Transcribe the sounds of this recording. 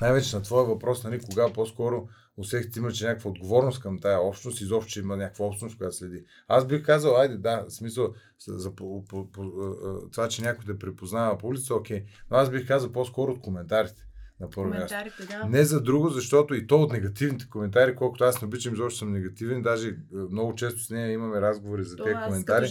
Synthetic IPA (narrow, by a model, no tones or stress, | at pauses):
najvɛt͡ʃɛnɐt̪vɔɛvɐpɾɔsnɐlikoɡaposkɔɾo | osɛk̪t̪imɐt͡ʃɛnʲakəkvəod̪ɡovɔɾnost̪kɐmt̪ajəɔpʃt̪onost̪izɔpʃt̪o̥t͡ʃ̪ɛimɐnʲakəvɐɔpʃt̪nost̪kojat̪slɛd̪i | azbixkazəlˠajd̪ɛd̪asmisəlˠ | zɐppopot̪ovat͡ʃɛnʲakʊjd̪ɛpɾɛpoznavɐpoulʲit̪əokʲɛjnoazbixkazəlˠposkɔɾoːt̪̚komɛnt̪aɾit̪ɛ̥nɐpɤɾvommʲast̪onɛzɐd̪ɾuɡʊzɐʃt̪ɔt̪oit̪ɔot̪nɛɡɐt̪ivnit̪ɛ̥komɛnt̪aɾikɔlˠkʊt̪oasnɛobit͡ʃɐmizɔpʃt̪osəmnɛɡɐt̪ivɛnd̪aʒɛmnɔɡʊt͡ʃɛst̪ʊ̥snɛjɐimɐmɛɾazɡovoɾizɐt̪ɛkomɛnt̪aɾi